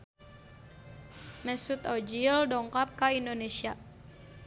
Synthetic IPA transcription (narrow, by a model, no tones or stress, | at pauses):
mɛsut̪ɔd͡ʒildɔŋkap̚kaindonesia